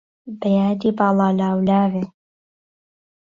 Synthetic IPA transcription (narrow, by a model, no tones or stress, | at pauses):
bɐjaːd̪iːbɑːlˠɑːlaːwlaːve